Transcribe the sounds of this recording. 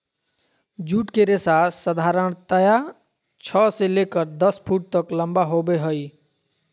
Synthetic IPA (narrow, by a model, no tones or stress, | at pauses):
d͡ʒuʈkeɾesasəd̪ʱaɾəɳt̪əja | t͡ʃʰɔselekəɾd̪əspʰuʈ̚t̪əkləmbaɦobeɦəj